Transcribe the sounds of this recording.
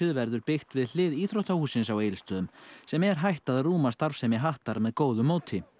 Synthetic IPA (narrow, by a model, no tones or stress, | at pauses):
ɪðvɛɾðʏɾpɪxt̪vɪðl̥ɪðiːθɾowht̪ahuːsɪnsawejlst̪œːðʏmsɛmɛɾ̥ɦajht̪aðruːmast̪aɾfsɛmɪɦaht̪aɾmɛðkoːwðʏmːoːwt̪ʰɪ